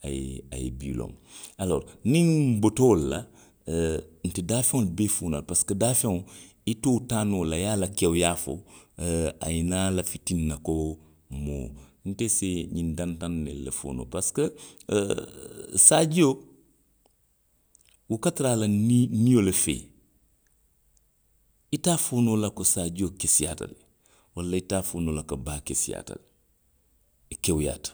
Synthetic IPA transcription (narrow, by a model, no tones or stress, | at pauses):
a̰jḭa̰jḭbḭlõ̰ŋalo̰ːɾniŋmbotoːla | n̩tidaːfẽŋlbefuːna̰lpaskədaːfeŋ | itoːtaːnolajalakewjaːfo̰ | a̰jinalafitinːako | mo̰ːn̩teseɲindantanːḛlḛfo̰ːno̰paskə | saɟo | wukatɾaːlɐninijolefḛː | itaːfoːnolɐkosaɟokesija̰tɐ̰li | walːɐitaːfoːnolɐkɐbaːkesija̰ːtɐ̰l | kewja̰ːt